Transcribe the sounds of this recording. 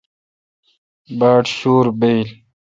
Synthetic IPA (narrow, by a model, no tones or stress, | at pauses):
baːʈɕuːɾbejl